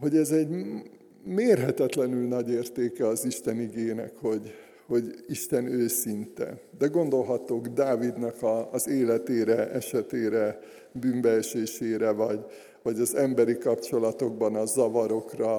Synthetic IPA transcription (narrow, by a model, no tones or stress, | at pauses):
ɦo̞ɟɛzɛɟ | meːrɦɛt̪ɛt̪lɛnylnɒɟeːrt̪eːkɛɒziʃt̪ɛniɡeːnɛ̰kho̞ɟ | ho̞ɟiʃt̪ɛnøːsint̪ɛ̰d̪ɛɡo̞nd̪o̞lɦɒt̪oːɡd̪aːvid̪nɒkɒːzeːlɛt̪eːɾɛʔɛʃɛt̪eːɾɛ | byːmbɛɛʃeːʃeːɾɛvɒɟ | vɒɟɒzɛmbɛɾikɒpt͡ʃo̞lɒt̪o̞ɡ̚bɒnɒzɒvɒɾo̞krɒ